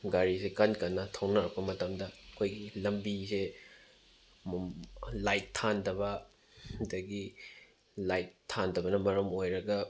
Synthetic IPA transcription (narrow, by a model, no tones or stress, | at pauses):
ɡaɾisekɐnkɐnːɐtʰɐwnɐɾɐk̚pɐmɐtɐmdɐɐkʰojɡilɐmbise | lajtʰːandɐbɐ | dɐɡi | lajtʰːandɐbɐnɐmɐɾɐmojɾɐɡɐ